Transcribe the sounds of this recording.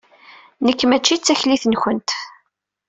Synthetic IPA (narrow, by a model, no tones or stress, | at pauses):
nəkːmæt͡ʃːit͡sːæçliθənçənt̪